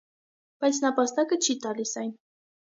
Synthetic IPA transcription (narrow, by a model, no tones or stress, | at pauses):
b̥ɑjt͡sʰnəpɑst̪ɑkət͡ʃʰit̪ɑlisɑjn